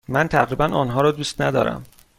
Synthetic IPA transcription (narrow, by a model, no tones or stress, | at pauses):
mænt̪ʰæɣɾiːbænʔɒːnɦɒːɾɒːd̪uːst̪næd̪ɒ̰ːɾʔæ̰m